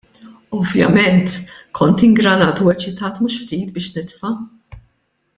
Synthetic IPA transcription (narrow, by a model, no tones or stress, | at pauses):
ɔvjɐ̰mɛnt̪kʰɔnt̪ɪŋɡɾɐnɐːt̪uwɛt͡ʃɪt̪ɐːt̪muːʃft̪iːt̪bɪːʃnɪt̪fɐ